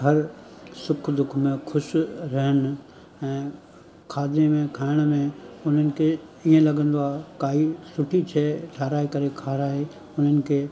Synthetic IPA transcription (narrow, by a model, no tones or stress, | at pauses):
ɦɐɾsʊkʰd̪ʊkʰmẽxʰʊʃɾɐɦən̆ | ɛ̃ː | kʰaːd̪nemẽkʰaːɪɽ̃mẽʊn̤ənɪ̆kʰe | iːẽlɐɠə̃nd̪oaːɦekaːɦisʊʈʰit͡ɕʰeːʈʰaːɾaːikɐɾekʰaːɾaːe | ʊn̤ənɪ̆kʰeː